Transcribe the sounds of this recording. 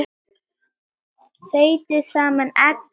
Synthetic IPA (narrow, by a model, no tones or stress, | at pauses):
θejt̪ɪsaːmanɛk